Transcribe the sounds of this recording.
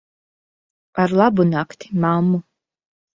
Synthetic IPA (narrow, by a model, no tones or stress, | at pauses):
aɾlˠabunakt̪ʰi̥mamːu